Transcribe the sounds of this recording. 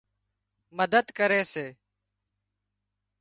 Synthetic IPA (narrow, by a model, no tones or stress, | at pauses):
məd̪əd̪kəɾeːseː